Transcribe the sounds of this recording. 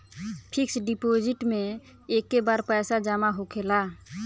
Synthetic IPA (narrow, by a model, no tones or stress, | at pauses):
pʰiksɖipod͡ʒiʈmẽ | ekːebaɾpɛːsad͡ʒamaɦokʰela